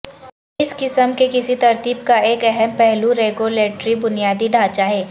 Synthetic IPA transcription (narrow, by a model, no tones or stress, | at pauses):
ɪskɪsəmkekɪsit̪ɐɾt̪iːbkaeːkɛɦɛmpɛɦluɾeːɡuleːʈɾibʊnijaːd̪iɖʱaːt͡ʃaɦɛː